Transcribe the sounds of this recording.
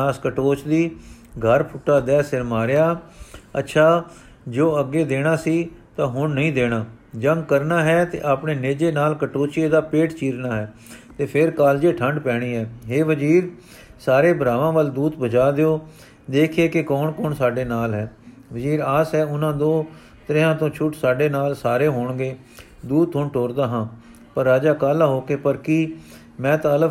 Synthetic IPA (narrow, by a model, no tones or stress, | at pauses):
aːskəʈoːt͡ʃd̪iː | ɡʱəɾpʰʊʈːaːd̪ɛːsɪɾmaːɾjaːə̰tːʃʰaː | d͡ʒoːəɡeːd̪eːɽ̃aːsiːt̪ãːɦʊɳnəĩːd̪eːɽ̃aː | d͡ʒəŋɡ̚kəɾnaːɦɛːt̪ḛːʔaːpɳeːneːd͡ʒeːnaːlkəʈoːt͡ʃeːd̪aːpeːʈt͡ʃiːɾnaːɦɛː | t̪eːpʰɪɾkaːld͡ʒeːʈʰəɳɖpɛːɽ̃iːɦɛːɦeːʋəd͡ʒiːɾ | saːɾeːbəɾaːʋãːʋəld̪uːd̪bəd͡ʒaːd̪eoː | d̪eːkʰeːkɪkɔːɳkɔːɳsaːɖeːnaːlɦɛː | ʋəziːɾaːsɦɛːʊnãːd̪oː | t̪əɾɪãːt̪õːt͡ʃʰʊʈsaːɖeːnaːlsaːɾeːɦoːɳɡeː | d̪uːd̪̚ʰõːɳʈoːɾd̪aːɦãː | pəɾːaːd͡ʒaːkaːlaːɦoːkeːpəɾkiː | mɛ̃ːt̪aələ